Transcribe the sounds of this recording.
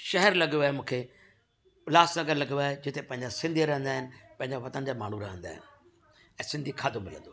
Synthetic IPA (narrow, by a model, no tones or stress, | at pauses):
ʃɐɦɛɾlɐɠjoaːemũːkʰe | ʊlaːsnɐɡəɾlɐɡoaːɦed͡ʑɪt̪epɐ̃ɦɪ̃ɲd͡ʑasɪ̃nd̪ʱiɾɐɦə̃nd̪aːɦɪnɪ̆pɐ̃ɦɪ̃ɲd͡ʑaʋɐt̪ənd͡ʑaːma̰ːɳ̤uɾɐɦə̃nd̪a̰ːɦɪ̰nɪ̆ | ɛ̃ːsɪ̃nd̪ʱikʰaːd̪omɪlə̃nd̪oa